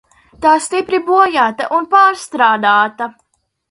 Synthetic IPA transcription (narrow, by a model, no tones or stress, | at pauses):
t̪aːst̪ipɾibuɔjaːt̪aʔunpaːɾst̪ɾaːd̪aːt̪ɐ